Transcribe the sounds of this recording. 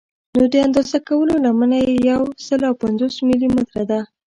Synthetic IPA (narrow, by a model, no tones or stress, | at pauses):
nod̪əand̪ozakawəlolamənajejawsəlawpanzosmilimad̪ɾad̪a